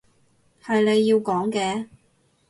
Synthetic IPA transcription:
hɐ˨jne˨˧jːiː˧wkɔː˨˥ŋkɛː˧

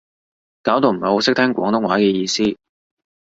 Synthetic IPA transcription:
kaː˨˥wt̪o˨˧wm̩˨˩ho˨˧wsɪ˥k̚t̪ʰɛː˥ŋkʷɔ̰ː˨˥ŋt̪ʊ˥ŋwaː˨˥kɛː˧jiː˧siː˥

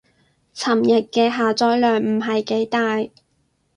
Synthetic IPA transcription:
t͡sʰɐ˨˩mjɪ˨kːɛː˧ɦaː˨t͡sɔː˥jlœː˨˩ŋm̩˨˩ɦɐ˨jke˨˥jt̪aː˨j

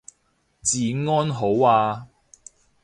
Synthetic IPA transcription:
t͡siː˨˧ŋɔː˥nɦo˨˥waː˧

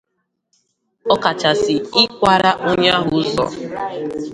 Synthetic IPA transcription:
ɔ˦ka˨t͡ʃa˨sɪ˨ɪ˦kʷa˨ɾa˦ʔo˦ɲ˦a˦ɦʊ˦ʊ˦zɔ̰˨

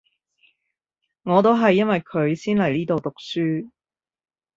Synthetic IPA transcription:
ŋɔː˨˧t̪o˥wɦɐ˨jːɐ˥nwɐ˨jkʰɵ˨˧ɥsiː˥nlɐ˨˩jniː˥t̪o˨wt̪ʊ˨k̚syː˥

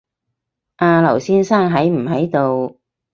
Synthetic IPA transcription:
ʔaː˧lɐ˨˩wsiː˥nsaː˥ŋɦɐ˨˥jm̩˨˩ɦɐ˨˥jt̪o˨˧w

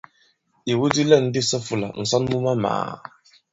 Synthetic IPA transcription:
i˨wu˦di˦lɛ˦˨n̩˦dɪ˦sɔ˦fu˨la̰˨n̩˨sɔ˦nmu˦ma˦ma̰ː˨

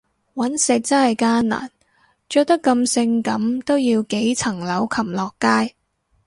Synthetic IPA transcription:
wɐ˨˥nsɪ˨k̚t͡sɐ˥nhɐ˨jkaː˥nna̰ː˨˩n | t͡ʃœː˧k̚t̪ɐ˥kːɐ˧msɪ˧ŋkɐ˨˥mt̪o˥wjiː˧wke˨˥jt͡sʰɐ˨˩ŋlɐ˨˥wkʰɐ˨˩mlɔː˨kːaː˥j

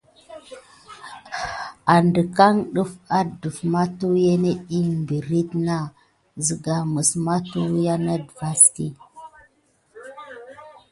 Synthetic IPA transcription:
a˨ndə˨ka˦ŋɗu˦fa˦du˨fma˦tu˦je˦ne˦i˦mbi˨ɾi˦tna˦ | zi˨ɡa˨mu˨sma˦tu˦ja˦na˦dva˦stḭ˦

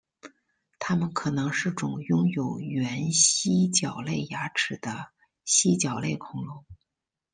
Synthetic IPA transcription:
t̪ʰa˥mə˨nkʰɤ˨˩nɤ˧˥ŋʂɻ̩˥˩ʈ͡ʂʊ˨˩˦ŋjʊ˥ŋjo˨˩ʊɥɥɛ˧˥nɕi˥t͡ɕjɑ˨˩ʊle˥˩ɪja˧˥ʈ͡ʂʰɻ̩˨˩d̪̥ə˦ | ɕi˥t͡ɕjɑ˨˩ʊle˥˩ɪkʰʊ˧˥ŋlʊ˧˥˦ŋ

